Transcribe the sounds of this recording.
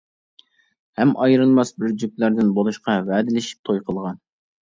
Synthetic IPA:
hɛmʔɑjɾɨlˠmɑsbɪɾd͡ʒyplæɾd̪ɪnbolˠuʃqʰɑvæd̪ɪlɪʃi̥p̚t̪ʰojqʰəlˠʁɑn

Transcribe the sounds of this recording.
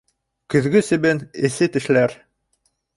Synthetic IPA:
kɵ̆ðɡɵsɘ̆bɘnɘ̆sɘt̪ɘ̆ʃlæɾ

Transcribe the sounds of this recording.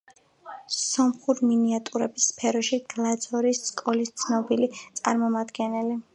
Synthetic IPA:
sɔmχuɾiminiat̪ʼuɾɛbisːpʰɛɾɔʃiɡ̥lˠad̪zɔɾisskʼɔlist̪sʰnɔbilit̪sʼaɾmɔmad̪ɡɛnɛli

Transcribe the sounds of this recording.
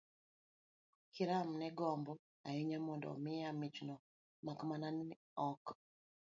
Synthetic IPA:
kiɾamnɛɡɔmbɔ | aiɲamɔndɔ̰mɪjamit͡ʃnɔ | makmanan | ɔk

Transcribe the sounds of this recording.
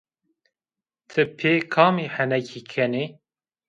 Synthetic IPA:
t̪ʰɨpʰeːkʰɑːmiːhɛnɛkʰikʰɛni

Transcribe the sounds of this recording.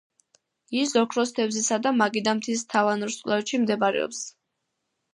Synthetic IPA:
isɔkʰɾɔst̪ʰɛvzisad̪amaɡid̪amt̪ʰist̪ʰavanɔɾskʼlˠaɛʃimd̪ɛbaɾɛ̰ɔ̰ps

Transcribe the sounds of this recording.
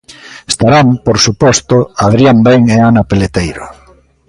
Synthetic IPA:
est̪aɾampoɾsupɔst̪ʊaðɾjambeŋeanapelet̪ejɾo

